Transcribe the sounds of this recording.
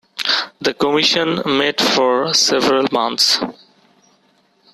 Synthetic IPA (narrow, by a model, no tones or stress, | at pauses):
d̪əkɔmiʃə̃nmeʈfɔɾsevɾəlmãnt̪s